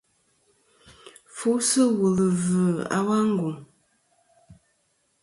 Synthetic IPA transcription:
fu˦sɨ˦wu˨lə˨və˨a̰˨wa˦ŋ̩˦ɡu˨ŋ

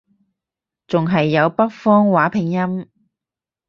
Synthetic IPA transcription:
t͡sʊ˨ŋɦɐ˨jːɐ˨˧wpɐ˥k̚fɔː˥ŋwaː˨˥pʰɪ˨˩ŋjɐ˥m

